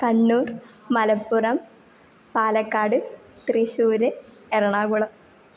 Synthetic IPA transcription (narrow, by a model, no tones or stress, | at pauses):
kɐɳːuːr | mɐlɐpːurɐm | paːlɐkːaːɽɨ | t̪riɕuːɾɨ | erɐɳaːɡuɭɐm